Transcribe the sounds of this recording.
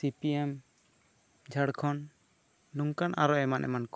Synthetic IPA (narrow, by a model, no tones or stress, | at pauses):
sipiɛm | d͡ʒʱaɽkʰɔn | nuŋkanʔaɾɔɛmanʔɛ̰mankɔ̥